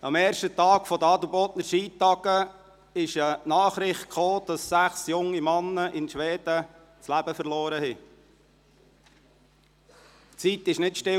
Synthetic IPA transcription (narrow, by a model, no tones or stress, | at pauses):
ɑmɛːɾʃtət̪ɑːkfɔd̪əɑːd̪ubɔːt̪nəɾʃiːtːɑɡə | ɪʃənɑːχɾɪχt̚kχoːd̥ɑsːæχsjʊŋːimɑnːəʔɪnʃʋɛːd̥̪ə | t͡slæb̥əfərlɔːɾəhi | t͡sit̪ɪʃnɪtʃtɪ